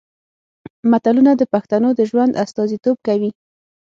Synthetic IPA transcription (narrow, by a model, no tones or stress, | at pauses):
mat̪alunad̪əpaxt̪anod̪əʒwand̪ast̪ɑzit̪ob̚kawi